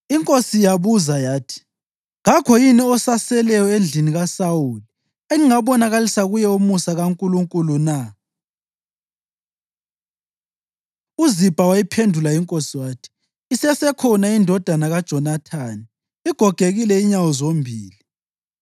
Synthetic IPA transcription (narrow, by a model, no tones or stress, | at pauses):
iŋkʼosijaβuzajaːtʰi̥ | ŋakʰɔjiniɔsasɛlɛjɔend͡ɮʱiniɣasawuli | eŋiŋaβɔnaɣalisaɣujɛumusaɣaŋkʼuluŋkʼuluna | uzib̥ʱawajipʰendʱulaiŋkʼosiwaːtʰi̥ː | sɛsɛkʰɔnaindʱɔd̥ʱanaɣad̥ʒ̥ʱɔnatʰaːni | iɡ̥ʱɔɡ̥ʱeɣilɛiɲawɔzombʱiːli